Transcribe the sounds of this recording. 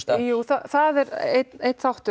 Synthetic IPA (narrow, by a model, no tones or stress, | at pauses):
juːθaθaðɛɾet̪nejt̪θawht̪ʏ